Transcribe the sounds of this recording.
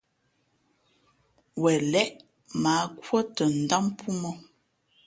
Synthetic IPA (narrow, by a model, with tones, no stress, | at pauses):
wɛ˨lɛ˦ʔ | maː˨˦kwə˦tə˨n̩˨da˦mpʰu˦mɔ˦